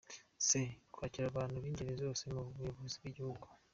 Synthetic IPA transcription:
sekwaːciɾaβaːnhuβiːɲɟeɾezo̞ːse̞muβeβuzibɡiɟihuɡu̥

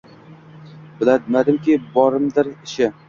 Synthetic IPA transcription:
b̥ɪlad̪mad̪ɪmkʲibɒɾɪmd̪ɪɾɪʃɪ

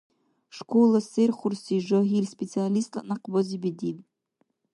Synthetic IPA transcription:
ʂkʰʷolˠaserχʷʊrsiʐoɦirʲspʲet͡sʰialist̪la̰ʔnaqbɔzibedil

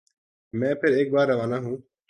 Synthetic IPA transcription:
mɛ̃ːpʰɪɾeːk̚baːɾːəʋaːnaːɦũː

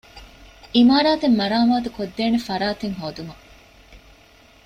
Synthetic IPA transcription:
imaːɾaːt̪emːɐɾaːmaːt̪ukod̪ːeːnefɐɾaːt̪eŋɦoːd̪umɐ

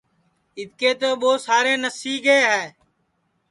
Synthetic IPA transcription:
ɪt̪̚keːt̪oːɓoːsaːɾeːnəsiːɡeːɦɛː

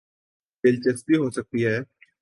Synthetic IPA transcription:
bɪlt͡ʃəst̪iɦosɐk̚t̪iɦɛː

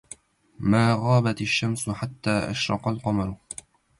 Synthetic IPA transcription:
maːɣaːbat̪aʃːamsʊħat̪ːaːʔa̰ʃɾˤɑ̰qɑlqɑmɑɾˤ

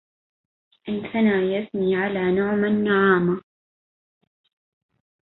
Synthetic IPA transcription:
ʔɪnkʰanaːjasniːʕalaːnʊʕmanːaʕaːma

